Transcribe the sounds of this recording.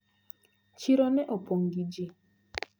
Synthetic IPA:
t͡ʃiɾɔnɛʔopʰɔŋɡid͡ʒi

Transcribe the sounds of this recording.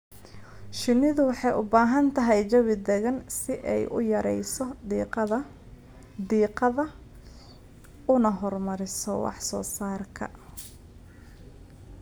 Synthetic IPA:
ʃɪnɪðʊwɑħɑjʊbaːɦɐnt̪ʰɐɦɛjt͡ʃɐwɪd̪ɛɣɐnsɪʔɛjʔʊ̰jɐɾɛ̰jsɔ | d̪iːqɐðɐ | ʊnɐɦɔrmɐɾɪsɔwɑ̰ħsɔːsaːrkʰɐ̰

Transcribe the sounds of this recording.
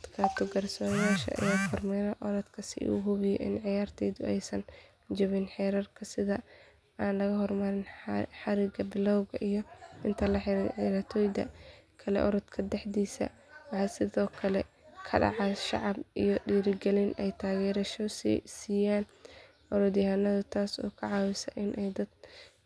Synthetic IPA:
ɐd̪kʰaːt̪ʰɔɡɐrsɔːjaːʃɐ̰ʔɐ̰jaːfʰɔrmɛnɐʔɔɾɐd̪kʰɐsɪ̰ṵːɦʊβɪjɛ̰ʔɪ̰nʕɪjaːrt̪ʰɛːðʊɛjsɐn | d͡ʒɔβɪnħɛːɾɐrkʰɐsɪðɐ | aːnlɐɣɐɦɔrmɐɾɪnħɑɾɪɡɐbɪlɔwɣɐʔijɔɪnt̪ʰɐlɐħɪɾɐt̪ʰɔːjd̪ɐ̰kʰɐlɛ̰ʔɔ̰ɾɐd̪kʰɐd̪ɛħdiːsɐ̰ɐħɐsɪðɔːkʰɐlɛ̰ | kʰɐɖɑ̰ʕɑʃɑ̰ʕɑbijɔɗiːɾɪɡɛlɪnʔɛjt̪ʰaːɣɛːɾɐʃɔssiːjaːn | ʔɔɾɔd̪jɪhanɐðʊt̪ʰaːsɔ̰ːkʰɐʕɑːwɪsɐ̰ʔɪnʔɛjd̪ɐd̪̥

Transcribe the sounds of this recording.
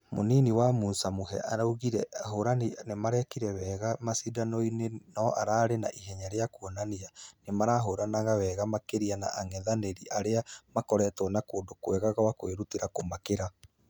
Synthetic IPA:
mo̰niniwamuːnsamoɦɛ̰ʔaɾauɣiɾɛaɦoɾaninemaɾɛkiɾɛwɛːɣamasidanɔinenɔʔaɾaɾenaʔiɦɛɲaɾeakuɔnanianemaɾaɦoɾanaɣawɛːɣamakeɾiana̰ʔaŋɛðaneɾiʔaɾeamakɔɾɛtɔnakoːndokwɛɣaɣawakoeɾutiɾakomakeɾa

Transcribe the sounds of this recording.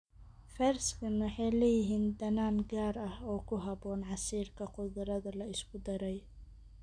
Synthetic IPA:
fɛrskʰɐnwɑħɑjlɛjɪɦiːnd̪ɐnaːŋɡaːɾɐhɔːkʰʊɦɑbɔːnʕɑsiːrkʰɐqʊðɐɾɐðɐlɐɪskʰʊd̪ɐɾɛj

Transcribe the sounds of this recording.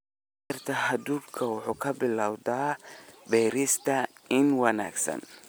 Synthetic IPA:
rt̪ʰɐhɐd̪uːŋkʰɐwʊħuːkʰɐbɪlaːwd̪aːbɛːɾɪst̪ʰɐɪnwɐna̰ːɡsɐ̰n

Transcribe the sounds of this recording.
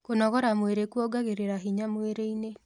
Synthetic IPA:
konɔɣɔɾamweɾekwɔɡaɣeɾeɾaɦiɲamweɾeine

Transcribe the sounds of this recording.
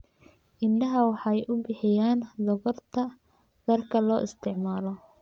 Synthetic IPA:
ɪɳɖɐɦɐwɑħɑjʔʊbɪħɪjaːnd̪ɔɣɔrt̪ʰɐ | d̪ɐrkʰɐlɔːʔɪst̪ʰɪʕmaːlɔ

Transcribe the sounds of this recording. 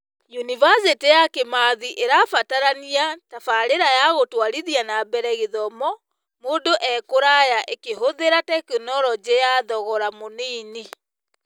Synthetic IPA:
junivasetejakemaðiʔeɾafataɾaniatafaɾeɾajaɣotwaɾiðianabɛɾɛɣeðɔmɔ | moːndoʔɛkoɾajaʔekeɦoðeɾatɛkenɔɾɔd͡ʑejaðɔɣɔɾamoniːni

